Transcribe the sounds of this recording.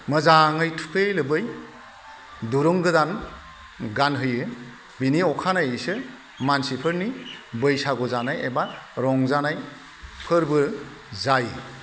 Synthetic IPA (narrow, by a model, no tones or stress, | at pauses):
mɯzaŋɯjtʰu̥kʰejlɯbɯj | duɾɯŋɡɯdan | ɡanɦɯjɯ | biniɔkʰanajsɯ | mansipʰɯɾnibɯjsaɡɔzanajebaɾɔŋzanaj | pʰɯɾbɯ | zaj